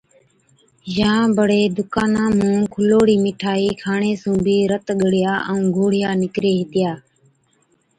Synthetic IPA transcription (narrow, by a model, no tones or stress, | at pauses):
jãːbəɽ̤eːd̪ʊkaːnãːmũːkʰʊloːɽiːmɪʈʰaːiːkʰaːɳeːsũːbiːɾət̪ɠəɽɪjaːʔə̃ːɡʱoːɽɪjaːnɪkɾeːɦɪt̪ɪjaː